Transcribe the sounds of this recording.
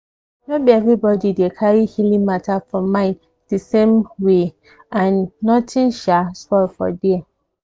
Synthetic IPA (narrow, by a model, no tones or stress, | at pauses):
nobiɛvɹibɔdidekʰaɹihilĩmatʰafɔ̃mãɪ̃n | d̥isẽmwe | ãnːɔtʰĩnʃasfɔlfɔ̰di